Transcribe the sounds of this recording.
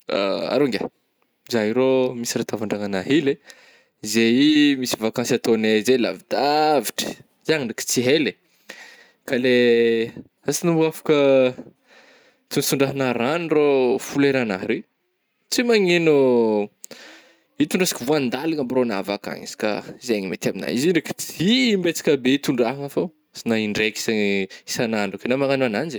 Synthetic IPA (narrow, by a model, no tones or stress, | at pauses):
a̰a̰ɾoŋɡʲa̰ | izaɦiɾomisirat̪avaɳɖ͡ʐaŋanaɦile | izejimisi̥vakãnsiat̪onezela̰vid̪̥aviʈ͡ʂə̥ | zaŋinɖ͡ʐiki̥t͡siɦele | kale | asinumbuafḁkə | t̪unsuɳɖ͡ʐaɦinaɾanrofuleɾanaɦɾi | t͡simaŋenu | it̪uɳɖ͡ʐasi̥kəvuand̪aliŋambɾona̰vaka̰ŋḭsi̥ka̰izeɲimḛt̪iamina̰iziɳɖ͡ʐiki̥t͡simbet͡si̥kʲabeit̪uɳɖ͡ʐaɦaŋafa | sinaiɳɖ͡ʐeki̥saŋisanaɳɖ͡ʐukinamaŋanuanand͡ʒi